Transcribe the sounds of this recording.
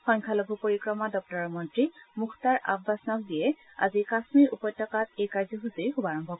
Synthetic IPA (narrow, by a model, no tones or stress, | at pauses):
xɔŋkʰalobʱupoɹikɹɔmadɔk̚tɔɹɔɹmɔntɹimuxʰtaɹʔa̰bbːasɔnɔk̚dijɛ | a̰zikasmiɹʔupɔjtːɔkatejkaɹzɔxusiɹxubaɹɔmbʱɔk